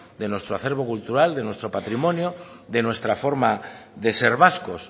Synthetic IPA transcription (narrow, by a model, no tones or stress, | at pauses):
d̪enwost̪ɾoaθeɾβ̞okult̪uɾald̪enwest̪ɾopat̪ɾimõnjo | ðenwest̪ɾafoɾma | ðeseɾβaskos